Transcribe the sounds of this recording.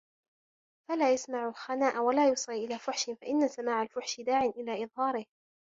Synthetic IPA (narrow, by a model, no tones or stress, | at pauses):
falaːjasmaʕʊlxanaːʔawalaːjʊsˤlːʔɪlaːfʊħʃɪfaʔɪnːasamaːʕalfʊħʃɪd̪aːʕɪnʔɪlaːʔɨðˤhɑːɾɪh